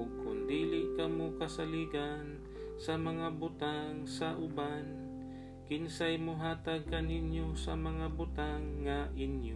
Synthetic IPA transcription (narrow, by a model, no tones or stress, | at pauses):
kʊnd̪iːlɪʔkɐmokɐsaliːɡan | sɐmɐŋabʊt̪aŋsɐʔʊban | kɪnsajmoɦaːt̪aɡ̚kɐnɪnjosɐ̰mɐŋabʊt̪aŋːɐʔɪnjo